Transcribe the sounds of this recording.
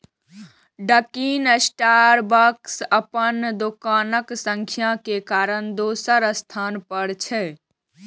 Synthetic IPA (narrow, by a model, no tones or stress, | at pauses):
ɖəkiːnəsʈaɾbəksəpənd̪okaːnəksəŋkʰjakekaːɾəɳd̪osəɾəst̪ʰaːnpəɽt͡ʃʰɛ